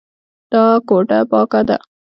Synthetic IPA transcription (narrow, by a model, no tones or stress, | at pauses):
d̪̥ɑkoʈapɑkad̪a̰